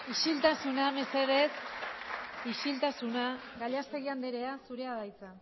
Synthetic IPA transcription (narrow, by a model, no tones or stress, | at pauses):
iʃilt̪asunameseɾes | iʃilt̪asunaɣaʎast̪e̞ɣiand̪eɾe̞asuɾe̞aðajt͡sa